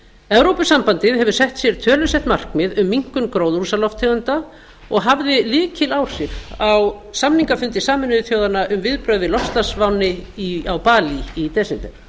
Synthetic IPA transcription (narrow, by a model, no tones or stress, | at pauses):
ɛvɾowpʏsampant̪ɪðɦɛvʏ̥sɛht̪sjɛɾ̥t̪ʰœːlʏsɛht̪mar̥kmɪðʏmːiŋ̥kʏnkɾowðɾusalɔft̪ʰːɛːɣʏnt̪a | ɔɣɦavðɪlɪːcɪlaw̥sjɛɾ̥aw | samniŋkafʏnt̪ɪsaːmʏnʏðʏθjowðanːaʔʏmvɪðpɾœɥððɪlɔfst̪asvawnɪiawpaːliit̪ɛsɪnt̪ɛɾ